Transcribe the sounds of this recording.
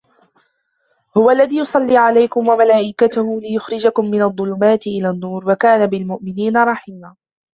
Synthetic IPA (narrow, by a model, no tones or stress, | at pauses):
hʊwaʔlːaðiːjʊsˤɑlːiːʕalajkʊmwamalaːʔɪkat̪ʊhʊlɪjʊxɾɪd͡ʒakʊmːɪnaɑðˤːʊlʊmaːt̪ɪʔɪlaːnːuːɾwakaːnabɪlmʊʔmɪniːnaɾˤɑħiːmaː